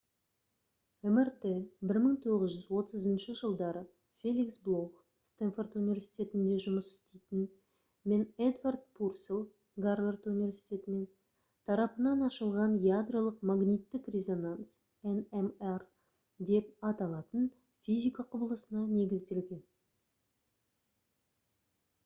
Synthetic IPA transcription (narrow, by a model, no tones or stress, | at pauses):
emert̪ebɪɾməɴŋt̪ʰo̞ʁəzʒʏzwo̞t̪əzənʃəʒəlˠd̪ɑɾə | fʲe̞lʲiksblˠoχ | st̪enfort̪univʲe̞ɾsijt̪ʲe̞t̪ɪnd̪e̞ʒʊməsɪ̥st̪ejt̪ɪn | me̞ned̪vard̪̚pʰurselˠ | ɡarvert̪univʲe̞ɾsi̥t̪ʲe̞t̪ɪnen | t̪ʰɑɾɑpənɑnɑʃəlˠʁɑnjad̪rolˠəqmaɡnʲijt̪ːɪkrʲe̞zo̞nans | ɛnemer | d̪e̞pɑt̪ɑlˠɑt̪ən | fʲijzʲijkɑqʰʊbəlˠəsənɑne̞ɡʲɪzd̪e̞lɡʲe̞n